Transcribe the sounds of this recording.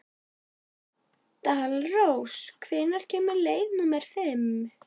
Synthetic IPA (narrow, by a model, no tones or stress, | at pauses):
t̪alrowskʰvɪːnaɾ̥cʰɛːmaɾleːjvnʏmɛɾ̥fɪm